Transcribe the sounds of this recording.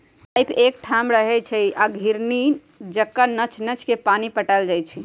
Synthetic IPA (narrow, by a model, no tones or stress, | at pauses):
pajpek̚ʈʰamɾəɦɛt͡ʃʰɛaɡʱiɾni | d͡ʒəkːənət͡ʃʰnət͡ʃʰkepanipəʈaɪld͡ʒajt͡ʃʰi